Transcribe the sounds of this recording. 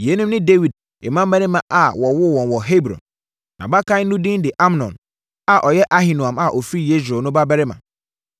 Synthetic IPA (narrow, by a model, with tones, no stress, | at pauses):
je˨˦nʊ̃˦mnɪ̃˦de˦wi˨d̚ | e˨mã˦m˦bɛ˦nɪ̃˦mã˨ʔa˨wɔ˨wʊ˦wɔ̃˨nwɔ˨ɦe˦bɾɔ̰̃˨n | nã̰˨ba˦kʰã˦nũ˦dɪ̃˦ndɪ˨ʔa˦mnɔ̰̃˨n | a˨ʔɔ˨jɛ˦ʔa˦ɦɪ˨nu˨ã˨ma˨ʔɔ˨fi˦je˦s̬o˨nʊ̃˦ba˦bɛ˦ɾɪ˦mã˨